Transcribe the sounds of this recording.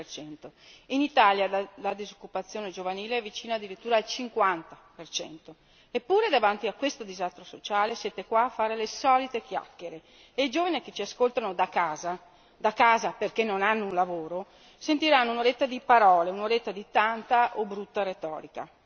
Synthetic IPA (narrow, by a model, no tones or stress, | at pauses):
rt͡ʃɛnt̪oinit̪aːljalad̪izokːupat̪sːjoːned͡ʒovaniːleɛvit͡ʃiːnaːd̪ːiɾit̪ːuːɾaːlt͡ʃiŋkwant̪apert͡ʃɛ̰nt̪o | epːuːɾed̪avant̪iakwest̪od̪izast̪ɾosot͡ʃaːlesjeːt̪ekwaːfːaːɾelesɔːlit̪ek̟ja̰kːeɾe | eid͡ʒoːvanik̟et͡ʃiaskolt̪anod̪akaːza | d̪akaːzaperkenːonanːounlavoːɾo | sent̪iɾanːounoɾet̪ːad̪ipaɾɔːleunoɾet̪ːad̪it̪ant̪aʔobɾut̪ːaɾet̪ɔ̰ːɾika̰